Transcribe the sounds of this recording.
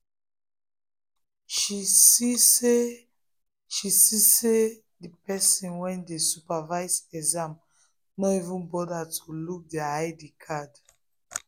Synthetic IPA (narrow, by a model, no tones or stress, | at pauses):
ʃisise | ʃisise | dipɛsĩnwɛ̃ndesupavaɪzɛzãm | nɔivũnbɔdatʰuluk̚dɛaaɪdikʰad